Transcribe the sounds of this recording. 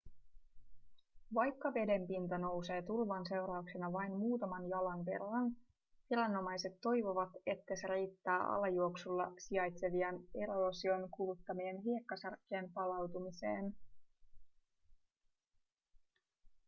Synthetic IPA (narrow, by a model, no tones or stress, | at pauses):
ʋɑjkːɑʋe̞de̞mpint̪ono̞wse̞ːt̪ulʋɑnse̞wɾɑuksenɑʋɑjnmuːt̪ɑmɑnjɑlɑnʋe̞̰rːɑn | ʋilænːo̞mɑjse̞t̪ːo̞jʋo̞ʋɑt̪e̞t̪ːæseɾejt̪ːæːʔɑ̰lɑjuoksulːɑsiɑjt̪se̞ʋiɑne̞ɾoːsio̞nkulut̪ːɑmienɦie̞kːɑsɑrkːeːmpɑlɑwt̪umise̞̰ːn